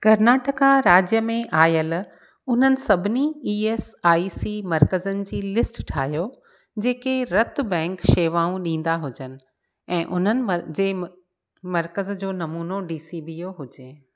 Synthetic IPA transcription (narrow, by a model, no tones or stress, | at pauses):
kɐɾnaːʈəkaɾaːd͡ʑjəmẽʔaːjəl | ʊn̤ənɪ̆sɐbʱɪniiːeːsaːisimɐɾkəzənɪ̆d͡ʑiːlɪsʈʈʰaːɦjo | d͡ʑeːkeɾɐt̪ʊ̆bɛ̃ːŋkʃeːʋaːũɗĩːn̆d̪aɦʊd͡ʑənɪ̆ | ɛ̃ːʔʊ̰n̤ənɪ̆md͡ʑeː | mɐɾkəzd͡ʑoːnɐmuːnoɖiːsiːbijoɦʊd͡ʑeː